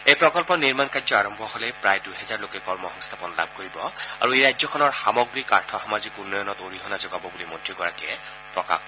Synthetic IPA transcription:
ejpɹɔkɔlpɔniɹmankazɔaɹɔmbʱɔholɛpɹajdujɦɛzaɹlokɛkɔɹmɔhɔŋst̪ʰapɔnla̰b̚ʱkoɹibɔa̰ɹueɹajzɔkʰɔnɔɹxamɔɡɹika̰ɹtʰɔxɔmazikunːɔjɔnɔtoɹiɦɔnazɔɡabɔbulimɔtɹiɡɔɹakɛ | pɹɔka̰k

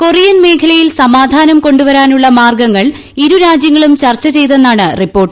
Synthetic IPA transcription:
korijɐnme̞ːkʰɐlɐjilsɐmaːd̪ʱaːnɐmko̞ɳɖuʋɐɾaːnuɭːɐmaːrɡɐŋːɐɭ | iɾuɾaːd͡ʑjɐŋːɐɭumt͡ɕɐrt͡ɕːɐt͡ɕe̞jt̪̬e̞nːaːɳɨripːo̞ːrʈːɨ

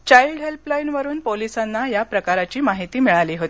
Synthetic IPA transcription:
t͡ɕaiɖɦelplainʋəɾuːnpolisanːajapɾəkaɾat͡ɕiːmaɦit̪iːmiɭaliːɦot̪i

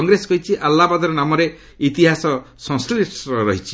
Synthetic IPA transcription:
ɔŋɡɾesɔkɔɦit͡ʃʰiʔalːabad̪ɔɾɔnamɔɾe | it̪iɦasɔ | sɔ̃sʈliʈɔɾɔɦit͡ʃʰi̥

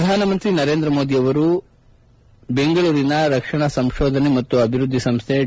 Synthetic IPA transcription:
pɐd̪ʱaːnɐmɐnt̪ɾinɐɾe̞ːnd̪ɾɐmoːd̪ijɐʋɐɾu | be̞ŋɡɐɭuːɾinɐɾɐkʂɐɳɐsɐmʃoːd̪ʱɐnemɐt̪ːuɐbʱiɾud̪ʱːisɐmst̪ʰe

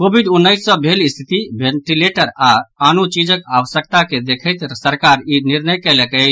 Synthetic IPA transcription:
kobʱiɖunːəɪsːə̃bʱelist̪ʰit̪ibʱeɳʈileʈəɾaanut͡ʃid͡ʒəkaʋəsjək̚t̪aked̪ekʰəjt̪səɾkaɾiniɾnəjkɛlɛkɛt͡ʃʰ

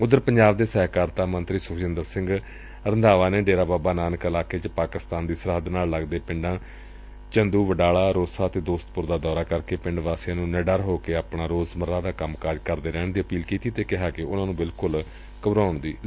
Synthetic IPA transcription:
ʊd̪əɾpəɲd͡ʒaːbd̪eːsɛːkaːɾt̪aːmənt̪ɾiːsʊkʰd͡ʒɪ̃nd̪əɾsɪ̃ŋɡ | ɾənd̪aːʋaːneːɖeːɾaːbaːbaːnaːnəkəlaːkeːt͡ʃpaːkɪst̪aːnd̪iːsəɾɦəd̪naːlləɡd̪eːpɪ̃ɳɖãː | t͡ʃənd̪uːʋəɖaːɭaːɾoːsaːt̪eːd̪oːst̪pʊɾd̪aːd̪ɔːɾaːkəɾkeːpɪɳɖʋaːsɪãːnũːnəɖəɾɦoːkeːaːpnaːɾoːzməɾãːd̪aːkəmkaːd͡ʒkəɾd̪eːɾɛːɳd̪iːəpiːlkiːt̪iːt̪eːkɪɦaːkɪʊnãːnũːbɪlkʊl | kəbɾaːʊɳd̪iː

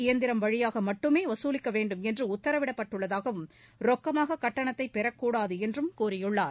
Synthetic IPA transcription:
ɪjɐnd̪ɪɾɐmʋɐɻɪjaːɣɐmɐʈːɯmeːʋɐsuːlɪkːɐʋeːɳɖɯmɛndrɯʊt̪ːɐɾɐʋɪɽɐpːɐʈːɯɭːɐðaːɣɐʋɯm | ɾɔkːɐmaːɣɐkɐʈːɐɳɐt̪ːɐɪpːɛɾɐkːuːɽaːðɯɛndrɯmkuːɾɪjɯɭːaːɾ

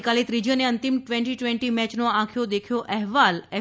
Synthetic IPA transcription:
kalit̪ɾid͡ʒəneənt̪imʈʋɛ̃ɳʈiʈʋɛ̃ɳʈimɛt͡ʃnoãkʰjod̪ekʰjoʔɛɦʋalɛ

